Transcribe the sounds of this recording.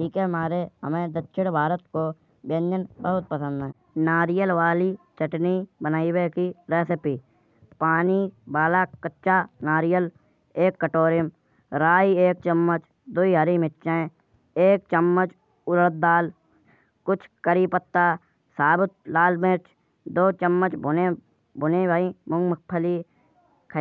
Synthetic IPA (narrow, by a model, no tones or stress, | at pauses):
ʈiːkeɦmaːɾeɦəmẽd̪ətːʃʰɪɽbʱaːɾət̪ko | bjənjənbəɦʊt̪̚pəsə̃nd̪ɦɛː | naːɾijəlʋaːlit͡ʃəʈnibənaːiwekiɾeːsɪpiː | paːnibaːlakətːʃanaːɾijəl | eːkːəʈoːɾɪjəm | ɾaːieːk̚t͡ʃəmːət͡ʃ | d̪uiɦəɾimɪtːʃẽ | eːk̚t͡ʃəmːət͡ʃ | ʊləlt̪̚d̪aːl | kʊt͡ʃʰkəɾiːpət̪ːaː | saːbɪt̪̚laːlmeɾt͡ʃ | d̪oːt͡ʃəmːət͡ʃbʊnẽ | bʊnẽːbaːimʊ̃ŋɡmək̚pʰəli | kʰ